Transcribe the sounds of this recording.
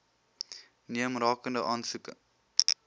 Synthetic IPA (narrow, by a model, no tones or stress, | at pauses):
niəmrɑːkəndəʔɑːnsukə